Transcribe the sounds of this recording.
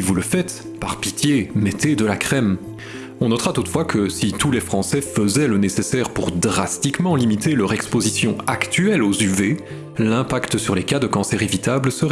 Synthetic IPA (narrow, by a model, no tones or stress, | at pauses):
ivuləfɛt̪ | pa̰ʁpit̪jemɛt̪ed̪əlakχɛm | ɔ̃nɔt̪χat̪ut̪fwakʰəsit̪ulɛfχɑ̃sɛfəzɛlənesesɛʁpuʁd̪ʁast̪ikmɑ̃limit̪elœʁɛkspozisjɔ̃akt̪yɛlozyve | lɛ̃pakt̪syʁlekad̪əkɑ̃sɛʁevit̪ablsəʁɛ